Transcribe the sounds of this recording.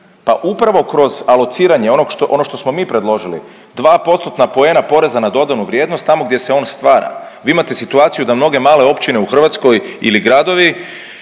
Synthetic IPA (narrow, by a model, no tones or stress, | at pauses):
paʔupɾaʋo̞kɾo̞zalˠo̞t̪siːɾaɲeonoɡʔo̞no̞ʃt̪o̞smo̞miːpɾe̞d̪lˠo̞ʒilḭ | d̪ʋaːpo̞t̪st̪ot̪napo̞e̞ːnapo̞ɾe̞zanad̪o̞d̪anuʋɾʲjed̪nost̪ːamo̞ɡd̪je̞se̞o̞ːnst̪ʋaːɾa̰ʋiːimat̪e̞sit̪uaːt̪sijud̪amno̞ɡe̞maːle̞o̞pt͡ɕine̞uxr̩ʋat̪sko̞jḭliɡɾad̪o̞ʋi